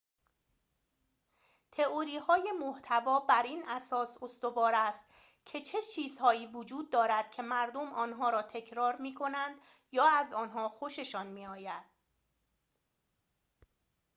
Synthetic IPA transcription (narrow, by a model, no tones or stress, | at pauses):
t̪ʰe̞oɾiːɦɒːje̞moht̪ʰævɒːbæɾiːnʔæsɒːsost̪o̞vɒːɾæst̪ | cʰe̞t͡ʃʰe̞t͡ʃʰiːzhɒːiːvod͡ʒuːd̪̚ːɒːɾæd̪̥cʰe̞mæɾd̪o̞mʔɒːnɦɒːɾɒːt̪ʰe̞cʰɾɒːɾmiːkʰo̞nænd̪̥ | jɒːæzɒːnɦɒːxoʃe̞ʃɒːnmiːɒːjæd̪̥̚